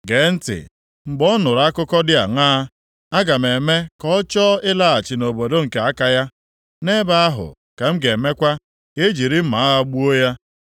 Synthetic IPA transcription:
ɡe˨˦n̩˦tɪ̰˨ | ŋ͡m̩˨ɡ͡bɔ˦nʊ˨ɾa˦kʊ˦kɔ˦dɪ˦a˨ŋaː˦ | a˦ɡa˨me˨me˦kɔ˦t͡ʃɔ˦ɪ˦la˦a˨t͡ʃi˨no˨bo˨do˦ŋ̩˨ke˨a˦ka˦ja˦ | ne˦ba˦a˦ɦʊ̰˨ | ka˨m̩˦ɡe˨me˦kʷa˦ | e˦d͡ʒi˨ɾi˦ma˨˦a˦ɦa˦ɡ͡bu˦o˦ja˦

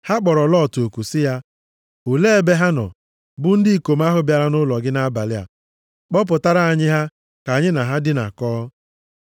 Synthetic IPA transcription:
ha˦k͡pɔ˨ɾɔ˨lɔ˦˨to˨ku˨sɪ˦ja˦ | u˨le˦e˦be˦ɦa˦nɔ̰˨ | bʊ˦n̩˦dɪ˦i˨ko˨m̩˦a˦ɦʊ˦bja˦ɾa˦nʊ˦lɔ˨ɡɪ˦na˦ba˨lɪ˦a̰˨ | k͡pɔ˦p̬ʊ˨ta˦ɾa˦˨a˨ɲɪ˦ɦa˦ | ka˨ɲɪ˦na˨ɦa˦dɪ˦na̰˨kɔː˦

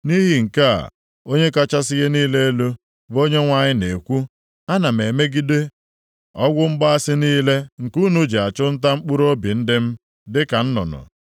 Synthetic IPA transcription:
ni˦ɦi˨ŋ̩˨ka˦a̰˨ | o˦ɲe˦ka˦t͡ʃa˦sɪ˦ɣe˦niː˦le˦e˦lo˦ | bo˦ɲe˦ŋʷa˦˨ɲɪ˦ne˨kʷu˦ | a˦na˨m̩e˨me˦ɡi˦de˦ | ɔ˦ɡʷʊ˦ŋ͡m̩˦ɡ͡ba˦a˦sɪ˦niː˦le˦ŋ̩˨ku˦nu˦d͡ʒe˨a˨t͡ʃʊ˦n̩˦ta˦ŋ͡m̩˦k͡pu˦ɾo˦bi˨n̩˦dɪ˦m̩˦ | dɪ˦ka˨n̩˦nʊ̰˨nʊ̰˨

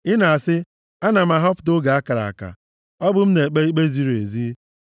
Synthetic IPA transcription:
ɪ˦na˨a˨sɪ˦ | a˦na˨m̩˨a˨ɦɔ˦pdʊ˦ɡa˨a˦ka˨ɾa̰˨a̰˨ka̰˨ | ɔ˦bʊ˦m̩˦ne˨k͡pe˦i˦k͡pe˦zi˦ɾḛ˨zi˦

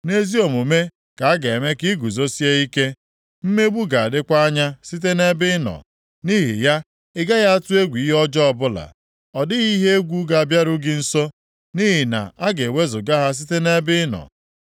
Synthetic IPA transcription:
ne˦zi˦o˨mu˨me˦ | ka˨a˦ɡa˨e˨me˦ki˦ɡu˨zo˦si˦e˦i˦ke˦ | m̩˦me˦ɡ͡bu˦ɡa˨a˨dɪ˦kʷa˦ɲa˦si˦t̬e˦ne˦bɪ˦nɔ̰˨ | ni˦ɦḭ˨ja˦ | ɪ˦ɡa˦ɣa˦a˦tʊ˦e˦ɡʷi˨i˦ɦɔ˦d͡ʒɔ˦ɔ˦bʊ˦la̰˨ | ɔ˨dɪ˦ɣi˦ɦe˦e˦ɡʷu˦ɡa˨a˨bja˦ɾʊ˦ɡɪ˨n̩˦so˦ | ni˦ɦi˨na̰˨a˦ɡe˨we˦zʊ˨ɡa˦ɦa˦s̬i˦te˦ne˦bɪ˦nɔ̰˨

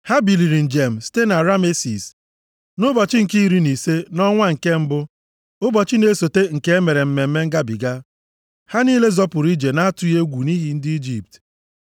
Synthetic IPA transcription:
ha˦bi˨li˨ɾi˨n̩˨d͡ʒe˨m̩˨ste˦na˨ɾa˦me˦si˨s | nʊ˦bɔ˨t͡ʃɪ˦ŋ̩˨ki˦ɾi˦ni˨se˦nɔ˦ŋʷa˦ŋ̩˨ke˦m̩˦bʊ˦ | ʊ˦bɔ˨t͡ʃi˦ne˨˦so˨te˦ŋ̩˨ke˦e˦me˨ɾe˨m̩˨me˨m̩˦me˦ŋ̩˦ɡa˦bi˨ɡa˦ | ha˦niː˦le˦zɔ˦pʊ˨ɾi˦d͡ʒe˨na˦a˦tʊ˨je˦ɡʷu˨ni˦ɦi˦n̩˦di˦d͡ʒi˨p̚t

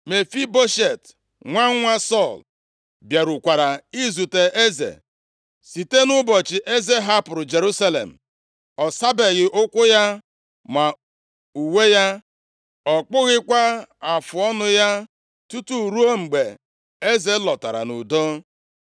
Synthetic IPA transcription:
me˨fi˦bo˦ʃe˨t | ŋʷa˦ŋ˦ŋʷa˦sɔ˦˨l | bja˨ɾu˨kʷa˨ɾa˨i˦zu˨te˨ʔe˦zḛ˨ | si˨te˦nʊ˦bɔ˨t͡ʃɪ˨ʔe˦ze˦ɦa˦pʊ˨ɾʊ˨d͡ʒe˨ɾu˦sa˦lḛ˨m̩˨ | ɔ˨sa˦be˨ɣɪ˨ʔʊ˦kʷʊ˦ja˦ | ma˨ | u˨we˦ja˦ | ɔ˨k͡pʊ˦ɣɪ˦kʷa˦a˨fʊ˨ɔ˦nʊ˦ja˦ | tu˦tu˦˨ɾu˦o˦ŋ͡m̩˨ɡ͡be˨ | e˦ze˦lɔ˨ta˨ɾa̰˨nʊ̰˨do˦

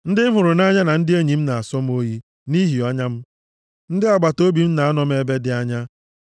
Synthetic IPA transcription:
n̩˦dɪ˦m̩˦ɦʊ˨ɾʊ˨na˦ɲa˦na˨n̩˦dɪ˦e˦ɲi˨m̩˦na˨a˨sɔ˦m˦o˦ɦi˦ | ni˦ɦi˨ɔ˦ɲa˦m̩˦ | n̩˦dɪ˦a˨ɡ͡ba˨to˦bi˨m̩˦na˨a˦nɔ˦m̩˦e˦be˦dɪ˦a˦ɲa˦

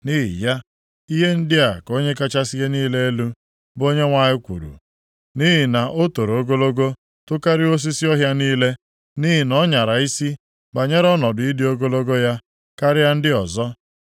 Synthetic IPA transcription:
ni˦ɦḭ˨ja˦ | i˦ɦe˦n̩˦dɪ˦a˨ko˦ɲe˦ka˦t͡ʃa˦si˦ɣe˦niː˦le˦e˦lu˦ | bo˦ɲe˦ŋʷa˦ɲɪ˦kʷṵ˨ɾṵ˨ | ni˦ɦi˨na˨ʔo˦to˨ɾo˦ɡo˦lo˦ɡo˦ | tʊ˦ka˦ɾɪ˦o˦s̬i˦si˦ɔ˦ɦja˦niː˦le˦ | ni˦ɦi˨nɔ˦ɲa˨ɾa˨i˦si˦ | ba˨ɲe˦ɾɔ˦nɔ˨dʊ˨i˦dɪ˦o˦ɡo˦lo˦ɡo˦ja˦ | ka˦ɾɪ˦ja˦n̩˦dɪ˦ɔ˨zɔ˦

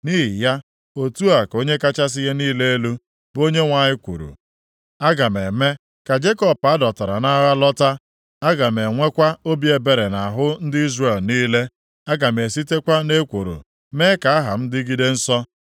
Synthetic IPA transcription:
niː˦ɦɪ˨ja˦ | o˨tu˦a˨ko˦ɲe˦ka˦t͡ʃa˦s̬ɪ˦je˦niː˦le˦e˦lu˦ | bo˦ɲe˦ŋʷa˨ɲɪ˦kʷṵ˨ɾṵ˨ | a˦ɡa˨me˨me˦ | ka˨d͡ʒe˦kɔ˦˨pa˦dɔ˨ta˨ɾa˨na˦ɣa˦lɔ˦ta˦ | a˦ɡa˨me˨ŋʷe˦kʷa˦o˦bi˦e˨be˨ɾe˨na˨ɦʊ˦n̩˦dɪ˦i˦zre˨lniː˦le˦ | a˦ɡa˨me˨si˦te˦kʷa˦ne˦kʷo˨ɾṵ˨ | me˦ka˨a˦ɦa̰˨m̩˦dɪ˦ɡi˦de˦n̩˦sɔ˦

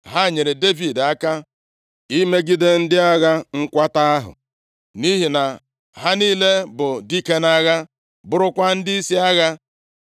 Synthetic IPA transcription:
ɦa˦˨ɲe˨ɾe˨de˦vi˨da˦ka˦ | i˦me˦ɡi˦de˦n̩˦dɪ˦a˦ɣa˦ŋ̩˦kʷa˦ta˦a˦ɦʊ̰˨ | ni˦ɦi˨na˨ | ɦa˦niː˦le˦bʊ˨di˦ke˦na˦ɣa˦ | bʊ˦ɾʊ˦kʷa˦n̩˦dɪ˦i˦si˦a˦ɣa˦

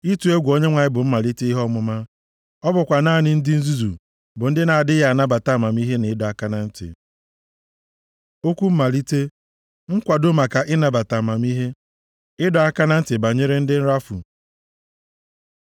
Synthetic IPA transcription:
i˦tu˨e˦ɡʷo˦ɲe˦ŋʷa˨ɲɪ˦bʊ˨m̩˦ma˨li˦te˦i˦ɦɔ˦mʊ˨ma˦ | ɔ˦bʊ˨kʷa˨na˦˨nɪ˦n̩˦dɪ˦n̩˦zu˦zu˨ | bʊ˨n̩˦dɪ˦na˨dɪ˦ja˨na˦ba˨ta˨ma˨mi˦ɦe˦ne˨˦dɔ˨a˨ka˦na˦n̩˦tɪ̰˨ | o˦kʷu˦m̩˦ma˨li˦te˦ | ŋ̩˦kʷa˨dʊ˦ma˨ka˨ʔɪ˦na˨ba˨ta˨ma˨m˦i˦ɦe˦ | ɪ˦dɔ˨a˦ka˦na˦n̩˦tɪ˨ba˨ɲe˦ɾe˦n̩˦dɪ˦n̩˦ɾa˦fṵ˨

